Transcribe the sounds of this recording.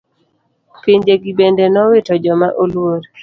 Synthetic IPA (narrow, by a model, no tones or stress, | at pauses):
piɲd͡ʒeɡibendenɔwɪtɔd͡ʒɔmaʔolwoɾ